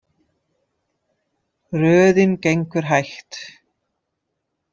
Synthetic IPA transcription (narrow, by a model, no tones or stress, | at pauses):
rœːðɪncejŋkʏɾ̥ɦajxt̪